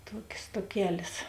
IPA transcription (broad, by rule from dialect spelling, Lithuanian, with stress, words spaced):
ˈtuɔkʲeːs tuɔˈkʲæːlʲeːs